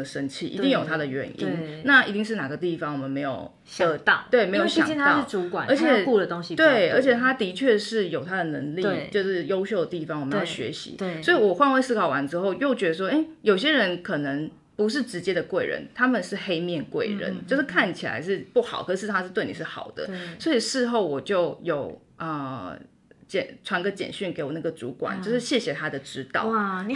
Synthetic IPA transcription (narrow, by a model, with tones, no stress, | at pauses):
ə˩ʂə˦˥nt͡ɕʰḭ˥˩ʔḭ˧˥i˥˩ŋjo˨˩ʊt̪ʰa˥d̪ə˨ɥɛ̰˨˦nḭ˦nna˥˩i˧˥t̪i˥˧ŋʂ̬ɻ̩˥˩na˨˩ɡə˦t̪i˥˩fɑ˧˦ŋwɔ˨˩mə˨˦nme˧˥ɪjo̰˨˩ʊ | ɕt̪ɑ˥˨we˥˩ɪme˧˥jo˧˥˩ɕɑ̰˨˥ɑ˥˨ɻ̩˥˩ʈ͡ʂu˧˥kwa̰˨˩nə˧˥t͡ɕʰɛ˨˩ku˥˧lə˩t̪o˥ŋɕi˧t̪we˥˩ɪə˞˧˥t͡ɕʰɛ˨˩t̪ʰa˥t̪i˧˥t͡ɕʰɥɛ˥˧ʂɻ̩˥˩jo˨˩ʊt̪ʰa˦˥d̪ə˨˩nə˧˦ŋli˧˥t͡ɕjo˥˧ʊʂɻ̩˥˩jo˥ʊɕjo˥˩ʊd̪ə˩t̪i˥˩fɑ˨˦ŋwm˨˧˥jo˨˩ɕɥɛ̰˧˦ɕḭ˧˦swɔ˧˥i˨wɔ˨˩xwa˥˧nwe˥ɪsɹ̩˥˩kʰɑ˨˩ʊwa˧˦nʈ͡ʂɻ̩˥xo˥˧ʊjo˥˩ʊt͡ɕɥɛ˧˥d̪ə˧ʂ̬wɔ˥ʔe˥˩ɪjo˨˩ʊɕ̬jɛ˦˥ɻə˧˥nkʰɤ˨˩nə˧˦ŋ | pu˧˥ʂ̬ɻ̩˥˩ʈ͡ʂɻ̩˧˥t͡ɕjɛ˥d̪ə˨kwe˥˩ɪɻə̰˧˦nt̪ʰa˥mə˨nʂɻ̩˥˩xe˥ɪmjɛ˥˨nkwe˥˩ɪɻə̰˧˦nt͡ɕjo˥˧ʊʂɻ̩˥˩kʰa˥˩nt͡ɕʰi˨˩la̰˧˥ɪʂɻ̩˥˧pu˥˩xɑ̰˨˩ʊkxɤ˧˩ʂɻ̩˥˩t̪ʰa˥ʂɻ̩˥t̪we˥˩ɪni˨˩ʂɻ̩˥˩xɑ̰˨˩ʊd̪ə̰˦swɔ˧˥i˨˩ʂɻ̩˥˧xo˥˩ʊwɔ˨˩t͡ɕjo˥˩ʊjo˨˩ʊ | ə˨˧ | t͡ɕɛ̰˨˩nʈ͡ʂʰwa˧˥nɡə˧t͡ɕjɛ̰˨˩nɕy˥˩nke˧˥ɪwɔ˨˩na˥˩ɡə˩t͡sṵ˧˥kwa̰˨˩nt͡ɕjʊʂɻ̩˥˧ɕjɛ˥˩ɕjɛ˨˩t̪ʰa˥d̪ə˨ʈ͡ʂɻ̩˥t̪ɑ̰˥˨˩